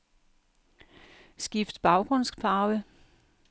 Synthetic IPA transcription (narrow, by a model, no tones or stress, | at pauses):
sɡ̥ifd̥b̥ɑ̈ʊɡ̥ʁɔ̽n̰spʰɑ̈ːʊə